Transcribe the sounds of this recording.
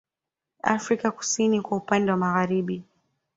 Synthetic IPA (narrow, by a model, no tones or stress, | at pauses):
a̰fɾikaku̥sinikwaupandɛwamaɣaɾiɓi